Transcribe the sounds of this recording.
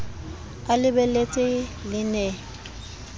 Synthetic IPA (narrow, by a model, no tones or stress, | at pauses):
alɪbɛlet͡sʼɪlɪnɛ